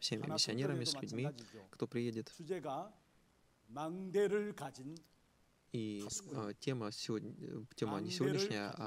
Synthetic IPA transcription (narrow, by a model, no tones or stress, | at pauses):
fsʲe̞mʲɪ̰mʲɪsʲɪɐnʲe̞ɾəmʲɪsʲlʉdʲmʲikt̪o̞pɾʲɪjedʲɪt̪ud͡ʑeɡa | maŋd̪eɾɯɭkad͡ʑin | i | tʲeməsʲvotʲːe̞mənʲɪsʲɪvo̞dʲnʲɪʂnʲɪjəa